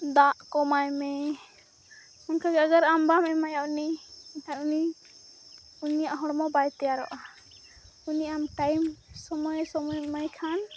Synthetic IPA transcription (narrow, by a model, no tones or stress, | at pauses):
d̪aʔkɔmajmɛ | ɔnkʰaɡɛəɡəɾambamɛmajaʔunikʰanuni | uniaaɦɔɽmɔbajt̪ɛjaɾɔ̰ʔa | uniamʈajmsɔmɔjsɔmɔjmajkʰan